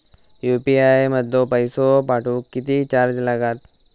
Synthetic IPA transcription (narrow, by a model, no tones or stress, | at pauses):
jupiajməd̪ʱːopəjsopaʈʰuːkːit̪iːt͡ɕaɾd͡ʑlaɡat̪̚